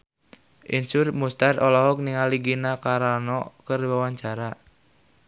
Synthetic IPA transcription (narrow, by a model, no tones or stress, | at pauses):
ʔinsʊrmust̪arɔlɔɦɔk̚niŋaliɡinakaɾanɔkəriwawaɲt͡ʃaɾa